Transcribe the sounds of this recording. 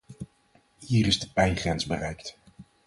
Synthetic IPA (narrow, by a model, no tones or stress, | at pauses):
hiːɾɪzdəpɛjnχrɛnzbərɛjkt